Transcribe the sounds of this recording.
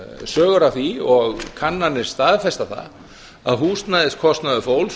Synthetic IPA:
sœːɣʏɾaθiɔɣkʰanːanːɪ̥st̪aːðfɛst̪aθa̰ | a̰ðɦuːst̪naðɪskʰɔst̪naðʏfowl

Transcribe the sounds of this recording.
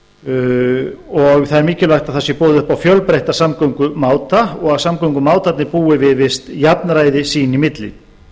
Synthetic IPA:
ɔɣθaðɛɾmiːcɪlvajxt̪aðθasjɛpɔːðʏʏhpawfjœlpɾejht̪ḁsamkœwŋkʏmaːwt̪aɔɣaðsamkœwŋkʏmaːwt̪at̪nɪpuːɪvɪðvɪst̪japnɾaːjðɪsiːnimɪt̪lɪ̰n

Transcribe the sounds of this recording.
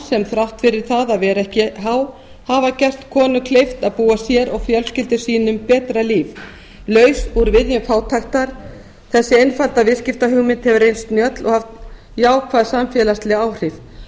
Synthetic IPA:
sɛmθɾawft̪fɪɾɪɾ̥θaðavɛːɾɛhcɪɦaw | havacɛr̥t̪kʰɔːnʏkʰlejft̪aðpuːasjɛɾʔɔɣfjœlscɪlt̪ʏsiːnʏmpɛːt̪ɾaliːv | lœːɥsvɔɾʏvɪðjʏnfaːwt̪ʰajxt̪aɾ̥ | θɛsːɪejnfalt̪avɪðscɪft̪aɦʏɣmɪnt̪hɛvɾrejnst̪njœt̪lɔhaft̪ | jaːwkʰvaːðsamfjɛlast̪lɪaːwr̥ɪθ

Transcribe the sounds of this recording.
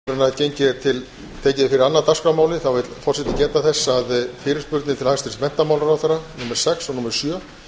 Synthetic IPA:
ɾɪnːaðcejɲcɪɾt̪ʰɪl | t̪ʰeːcɪðɪfɪɾɪɾanːat̪askamaːwlɪθawvɪt̪fɔr̥sɛt̪ɪcɛːt̪aθɛsːaðfɪːɾɪ̥ɾspʏɾt̪nɪt̪ʰɪlhajst̪ʏɾɪst̪vɛn̥t̪amaːwlaɾawθaɾːanumɛɾ̥sɛksanumɛɾ̥sjœː

